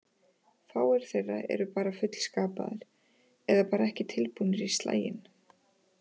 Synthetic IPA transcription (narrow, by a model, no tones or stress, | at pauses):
θaːwɛɾ̥θejrːa̰ɛ̰ɾʏpaːɾafʏt̪l̥skaːpa̰ðɪɾ̥ | ɛðapaːɾaɛhcɪt̪ʰɪlpunʏɾist̪la̰ːjɪ̰n